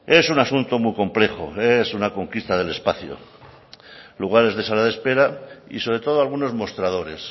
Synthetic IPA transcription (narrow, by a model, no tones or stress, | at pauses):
e̞sunasunt̪o̞mujko̞mple̞xo̰e̞sunako̞ŋkist̪aðe̞le̞spaθjo̰ | luɣ̞aɾe̞zðe̞salaðe̞spe̞ɾaḭso̞βɾe̞t̪oðoalɣ̞uno̞zmo̞st̪ɾað̞o̞ɾe̞s